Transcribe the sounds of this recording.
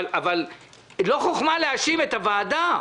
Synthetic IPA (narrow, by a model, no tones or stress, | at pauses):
laval | lo̞χoχmaleaʃime̞t̪avaːd̪a